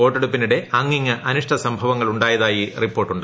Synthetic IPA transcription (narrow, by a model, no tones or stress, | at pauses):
o̞ːʈːeɽupːiniɽe̞ʔɐŋːiŋːɨʔɐnuʂʈʰɐsɐmbʱɐʋɐŋːɐɭuɳɖaːjɐðaːjiripːoːrʈːuɳɖɨ